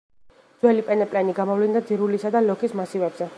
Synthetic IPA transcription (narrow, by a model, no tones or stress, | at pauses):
d̪zwɛlipʼɛnɛpʼlɛniɡamɔvlind̪ad̪ziɾulisad̪alɔkʰismasivɛbz̥ɛ